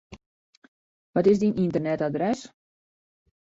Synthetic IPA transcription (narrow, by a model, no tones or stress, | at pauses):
ʋɔtɪs̬dinʔintərnɛtadrɛs